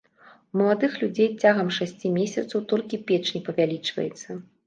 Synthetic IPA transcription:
mɐlˠad̪ɨxlʲud͡zʲejt͡sʲaɣɐmʂasʲt͡sʲimʲesʲɐt̪sɐwt̪ɔlʲkʲipʲɛt͡ʂnʲipɐvʲalʲit͡ʂvɐ̰jɛt̪sːɐ

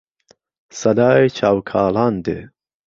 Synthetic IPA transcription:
sɐd̪aːet͡ʃʰaːwkʰaːlaːnd̪ḛ

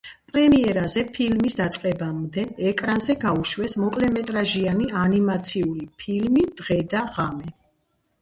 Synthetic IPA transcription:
pʼɾɛmiɛɾazɛpʰilmisd̪at̪sʼqʼɛbamd̪ɛːkʼɾanzɛɡauʃwɛsmɔkʼlɛmɛt̪ʼɾaʒianianimat̪sʰiuɾipʰilmid̪̥ʁɛd̪aʁamɛ

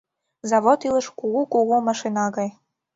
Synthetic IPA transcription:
zɑβot̪ilə̆ʃkuɣukuɣumɑʃinɑɣɑj

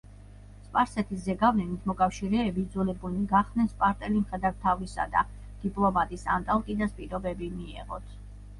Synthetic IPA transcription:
spʼaɾsɛt̪ʰiszɛɡavlɛnit̪ʰmɔkʼafʃiɾɛːbid̪zulɛbuliɡaχd̪nɛnspʼaɾt̪ʼɛlimχɛd̪aɾt̪ʰavisa̰d̪a̰ | d̪̥ipʼlˠɔmat̪ʼisa̰nt̪ʼalˠkʼid̪aspʼiɾɔbɛbimiɛ̰ʁɔ̰t̪ʰ

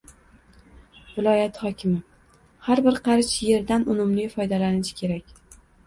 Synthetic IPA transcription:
vɪlˠɒjat̪hɒkʲʰɪmɪ | haɾbɪɾqʰɑɾɪʃje̞ɾd̪anʊmʊmlɪfɒjd̪alanɪʃɪ̥kʲʰe̞ɾakʲ

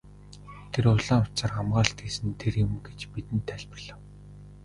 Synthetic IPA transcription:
t̪ʰeɾʊɮaːŋʊt͡sărχamɢaːɬt̪ɡiːsɘ̆nt̪ʰerjʊ̆mɡet͡ɕpit̪ɘ̆nt̪ʰːæɮʲpə̆rɮə̆w

